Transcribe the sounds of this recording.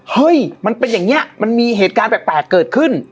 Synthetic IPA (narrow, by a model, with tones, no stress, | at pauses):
hɤ˦˧˥jma˧npe˧njaː˨˩ŋni˦˥ɐma˧nmiː˧ɦeː˨˩t̪̚kaː˧nt̪ɛː˨˩pɛː˨˩t̪̚kɤː˨˩t̪̚kʰɯ˥˩n